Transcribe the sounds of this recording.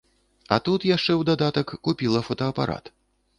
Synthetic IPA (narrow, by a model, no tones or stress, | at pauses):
ɐ̰t̪ut̪jaʂt͡ʂɛwd̪ad̪at̪ɐkːupʲilˠɐfɐt̪ɐːpa̰ɾʔa̰t̪